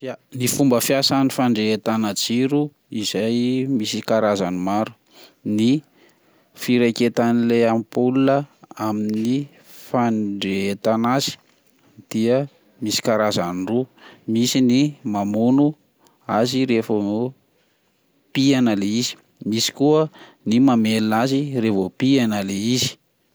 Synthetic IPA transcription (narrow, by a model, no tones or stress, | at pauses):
nifumbəfjasanifaɳɖ͡ʐeet̪anad͡ziɾu | izajmisikaɾazanimaɾu̥ | ni | fiɾeket̪anileamipulunəaminni | faɳɖ͡ʐeet̪anazi̥ | d̪̥iə | misi̥kaɾazanrumisinimamunu | aziɾefoo | pianəleizi̥ | misi̥kuə | nimamelinazirevopianəleizi̥